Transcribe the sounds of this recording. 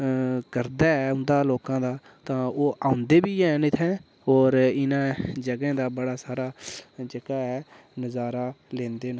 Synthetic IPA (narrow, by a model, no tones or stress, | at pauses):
kəɾd̪aːɛʊ̃nd̪aːloːkãːd̪aː | t̪ãːoːʔãːʊ̃nd̪eːbiːɛːnɪt̪ʰɛ̃ː | oːɾɪnãːd͡ʒəɡɛ̃ːd̪aːbəɽaːsaːɾaːt͡ʃəkaːɛː | nəzaːɾaːlẽːnd̪eːnaː